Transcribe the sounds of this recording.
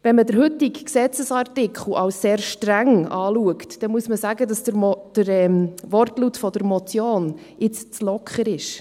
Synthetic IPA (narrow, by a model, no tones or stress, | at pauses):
vɛnmədəɾhʏtːikksɛt͡səsɑrtɪkʰχl̩ɑwsseːɾʃtɾæŋɑːluəktd̥ɛmuəsməsæɡədɑsd̥əɾɛmʋɔrtlutfɔd̥əɾmɔt͡sjoːn | ɪt͡st͡slɔkχəɾɪʃ